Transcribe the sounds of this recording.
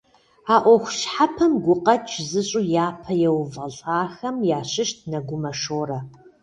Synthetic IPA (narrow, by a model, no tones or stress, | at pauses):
aːʔʷɔxʷʊɕħapʰɐmɡʷʊqʼɐt͡ʃʰzɨɕʼʊjaːpʰɐjɛwvɐɬʼaːxɐmjaːɕɪʃt̚ʰnɐɡʷʊmɐʂoːɾɐ